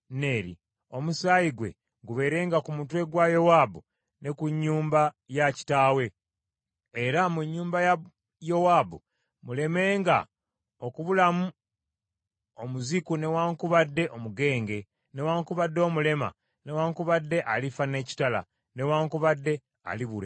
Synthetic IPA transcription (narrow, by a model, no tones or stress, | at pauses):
ne̞ːɾḭ | o̞musaːjiɡwe̞̰ | ɡuβe̞ːɾe̞ːŋɡakumutwe̞ɡwajo̞wabu | ne̞kuɲːuːmba | jaci̥taːwe̞ | e̞ɾamuɲːuːmbaja | jo̞waːbṵ | mule̞me̞ːŋɡa̰ | o̞kuβulamu | o̞muzikune̞waːŋkuβadːe̞ʔo̞muɡe̞ːŋɡe̞ | ne̞waːŋkuβadːo̞ːmule̞ma̰ | ne̞waːŋkuβadːe̞ʔalifane̞ːci̥tala̰ | ne̞waːŋkuβadːe̞ | a̰liβuɾḛ